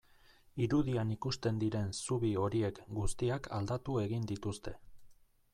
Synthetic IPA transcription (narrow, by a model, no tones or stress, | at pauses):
iɾuðianikust̪e̞nd̪iɾe̞nsuβio̞ɾie̞kɡust̪iakʰa̰ld̪at̪ue̞ɣind̪it̪ust̪e̞